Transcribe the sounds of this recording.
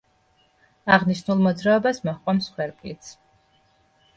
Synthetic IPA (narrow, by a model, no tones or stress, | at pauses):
aʁniʃnulˠmɔd̪zɾaɔbasmɔχqʷʼwamsχwɛɾpʼit̪sʰ